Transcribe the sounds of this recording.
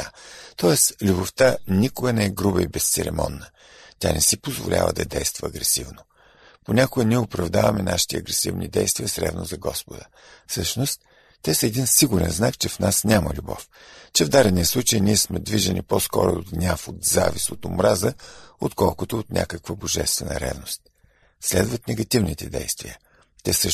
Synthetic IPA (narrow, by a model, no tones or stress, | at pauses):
at̪ɔɛslʲuboft̪anʲikʊɡənɛɛɡɾubəibɛst̪sɛɾɛ̰mɔnːə | t̪ʲa̰nɛsipozvo̰lʲʔa̰və̰d̪ɐd̪ɛjst̪vəɐːɡɾɛsivnʊ | ponʲakʊɡəniɛʊpɾɐvd̪avɐmɛnʔaʃi̥t̪iɐɡɾɛsḭvnḭd̪ɛjst̪viəsɾɛ̰bno̰zɐɡɔspʊd̪ə | fsɤʃnost̪ː | ɛsəɛd̪insiɡʊɾɛ̰nznakt͡ʃɛfnasnʲaməlʲubɔft͡ʃɛvd̪aɾɛnijəslˠut͡ʃəjniɛsmɛd̪viʒɛnʲiposkɔɾʊoɡnʲafot̪zavisot̪ʊmɾazəot̪kɔlˠkʊt̪oːt̪nʲʔa̰kəkvəboʒɛst̪vɛnə̰ɾɛ̰vnost̪̚ | slɛd̪vɐt̪nɛɡɐt̪ivnit̪ɛd̪ɛjst̪viə | t̪ɛsɤ